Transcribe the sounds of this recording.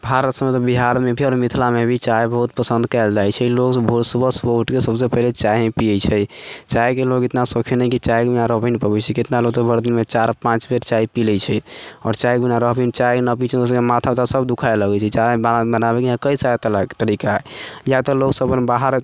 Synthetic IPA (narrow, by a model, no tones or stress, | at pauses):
bʱaɾət̪səmet̪ɔbiɦaɾmebʱiɔɾmit̪ʰlamebʱit͡ʃajbəɦut̪̚pəsə̃nd̪kaɪld͡ʒajt͡ʃʰɛloksbʱuɾsubəsboʈkesəbsepəɦlet͡ʃaẽpijət͡ʃʰɛt͡ʃajkeloket̪nasokʰenɛkit͡ʃajkbinaɾəɦbəinipəbɛt͡ʃʰɛket̪naloɡt̪ɔbʱəɾd̪inmet͡ʃaɾpãt͡ʃbʱeʈt͡ʃaipilɛt͡ʃʰɛɔ̰ɾt͡ʃajkbinaɾəɦbənit͡ʃajnəpit͡ʃʰɛd̪oskemat̪ʰapt̪asəbd̪ukʰajləɡɛt͡ʃʰɛt͡ʃabbənabɛkiãkəisat̪əlakt̪əɾikajat̪ɔloksəbmebaɦəɾ